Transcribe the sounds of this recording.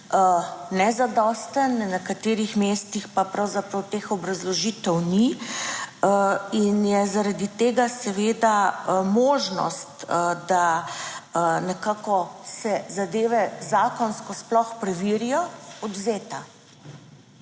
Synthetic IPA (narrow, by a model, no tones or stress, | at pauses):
ənɛzad̪ɔst̪ənnɛkat̪eːɾixmeːst̪ixpapɾawzapɾɐwt̪eːxɔbɾazlɔʒiːt̪ɛwni | əinjɛzaɾad̪it̪eːɡasɛʋeːd̪amoːʒnɔ̰st̪d̪a | nɛkaːkɔsɛzad̪eːʋɛzaːkɔnskɔsplɔxpɾɛʋiːɾijɔɔd̪zeːt̪a